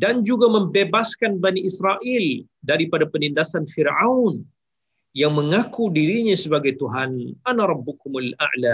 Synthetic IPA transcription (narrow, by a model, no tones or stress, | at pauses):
dand͡ʒuɡaməmbebaskanbaniʔisɾaʔɪldaɾipadapənindasanfirawn | jaŋməŋakudiɾiɲasəbaɡajt̪uɦanʔanaɾˤɑbːukumʊla̰ʔla